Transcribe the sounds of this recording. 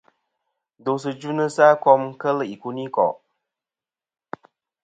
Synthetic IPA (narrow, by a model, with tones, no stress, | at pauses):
do˨s̬ɨ˨d͡ʒu˦nɨ˦sa˦kɔ˦mkə˦li˨ku˦ni˦kɔ̰˨